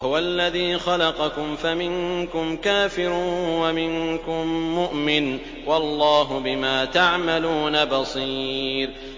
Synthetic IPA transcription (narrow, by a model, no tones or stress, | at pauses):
hʊwaʔlːaðiːxɑlɑqɑkʊmfamɪnkʊmkaːfɪɾʊwamɪnkʊmːʊʔmɪn | wɑlˤːɑːɦʊbɪmaːt̪aʕmaluːnabɑsˤiːɾ